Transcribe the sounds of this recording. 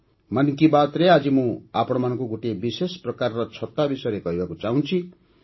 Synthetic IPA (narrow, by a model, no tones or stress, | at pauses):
mʌnkibat̪ɾead͡zimũapɽʌmʌnkoɡuʈebisesprʌkarːʌt͡sʰʌt̪ːabisʌɾekʌjbakot͡saɦũnt͡sʰi